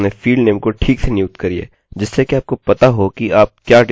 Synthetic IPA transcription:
nẽfiːɖneːmkoʈʰiːksʰenjuːkt̪kɐɾiḛː | d͡ʒɪsːekeaːp̚kopɐt̪aɦokiaːp̚kjaːɖ

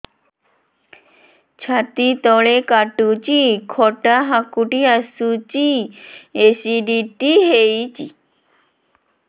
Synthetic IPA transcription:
t͡ɕʰat̪it̪ɔɭekaʈut͡ɕikʰɔʈaɦakuʈiasut͡ɕi | esiɖiʈiɦejt͡ɕḭ

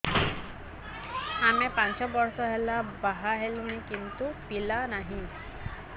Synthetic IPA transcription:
amepant͡ʃɔbɔɾsɔɦelabaɦaɦelunikint̪upilanaɦĩ

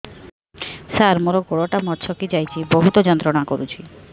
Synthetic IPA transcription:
saɾmoɾokoɽoʈamɔɾt͡ʃʰɔkid͡ʒajt͡ʃʰiboɦut̪ɔd͡ʒɔnt̪ɾɔɽakoɾut͡ʃʰi

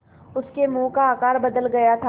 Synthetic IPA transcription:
ʊskemũːkaːkaːɾbɐd̪əlɡɐjat̪ʰa

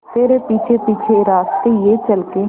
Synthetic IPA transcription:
t̪eːɾepiːt͡ʃʰepiːt͡ʃʰeɾaːst̪ejet͡ʃɐlke

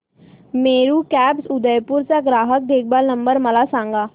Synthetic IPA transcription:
meːɾukɛːpsʊd̪əjpʊɾsaɡɾaːɦək̚d̪eːk̚baːɾnə̃mbəɾmɐlasãːŋɡaː

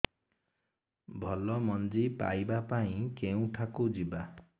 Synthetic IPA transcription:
bʱɔlɔmɔnd͡ʒipa̰jbapaĩkeũʈʰakud͡ʒiba

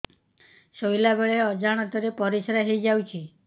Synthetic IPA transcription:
sojlabeɭeɔd͡ʒaɽ̃ɔt̪ɔɾepɔɾisɾaɦejd͡ʒawt͡ʃʰi

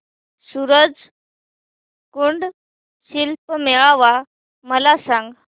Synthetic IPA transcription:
suɾəd͡z | kuɳɖ | ɕilpmeɭaʋa | məlasãŋɡ

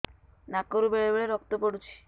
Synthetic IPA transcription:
nakoɾubeɭebeɭeɾɔk̚t̪opoɽut͡ɕʰi̥

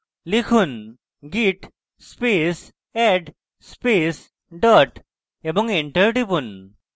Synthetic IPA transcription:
likʰun | ɡiʈ | spes | ɛɖ | spes | ɖəʈ | ebəŋɡeɳʈəɾʈipun

